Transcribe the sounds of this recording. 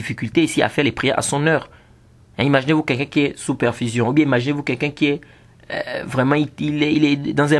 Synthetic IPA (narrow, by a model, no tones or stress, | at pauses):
ifikylt̪eisia̰fɛʁlɛpχijɛ̰ʁa̰sɔ̃nœːʁ | ɛ̃imaʒinevukɛlkɛ̃kiɛsypɛʁfizjɔ̃ubjɛ̃imaʒinevukɛlkɛ̃kiɛ̰ | vʁɛmɑ̃iilɛilɛd̪ɑ̃zɛ̃